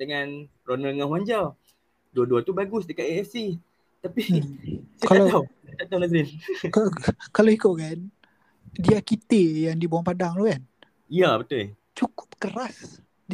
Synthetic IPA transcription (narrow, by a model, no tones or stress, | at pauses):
dəŋãn | ronəlŋahwaɲd͡ʒa | duaduat̪ubaɡʊs̬dəkat̪eɛfsi | t̪api | kaalaaw | at̪at̪awlaɡɾinkakaloikuʔ̚kan | diakit̪ejaŋdibawaŋpadaŋlukan | ijabət̪ʊ | t͡ʃukʊ̥p̚kəras | d